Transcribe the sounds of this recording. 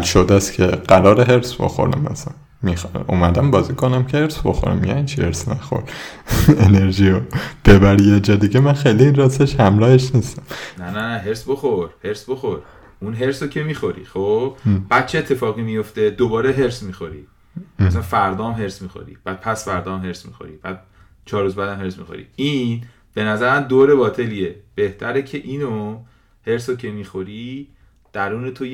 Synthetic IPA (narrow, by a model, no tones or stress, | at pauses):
lʃod̪æscʰeɢ̥æɾɒːɾeɦeɾsbo̰xo̰ɾæ̰mæ̰sæn | mixumæd̪æmbɒːziːkʰo̞næmcʰeheɾsbo̰xo̰ɾæ̰mjæ̰int͡ʃʰiheɾsnæxo̰ɾ | e̞ne̞ɾʒiːɾob̥ebæɾjɒd͡ʒɒːd̪iɟemænxejliinrɒseʃhæmɾɒːheʃnist̪æmnænæɦeɾsboχoɾheɾsboxoɾ | unɦe̞ɾsocʲʰemiːxoɾḭχobbb̥æːd̪̥̚t͡ʃʰeeːt̪ʰːe̞fɒːɣimijoft̪e̞d̪obɒːɾeɦe̞ɾsmiːxo̞ɾḭ | æsænfæɾd̪ɒːmɦe̞ɾsmiːxo̰ɾḭb̥æːd̪̥̚pʰæsfæɾd̪ɒːmɦe̞ɾsmḭxo̰ɾḭb̥æːd̪̥̚ | t͡ʃʰɒːɾuzbæd̪æmhe̞ɾsmḭxo̰ɾḭiːn | b̥e̞næzæɾæmd̪oːɾe̞bɒːt̪ʰe̞liːeb̥e̞ht̪ʰæɾecʰe̞ʔiːno | he̞ɾsocʰe̞miːxo̞ɾi | d̪̥æɾuːne̞t̪ʰoj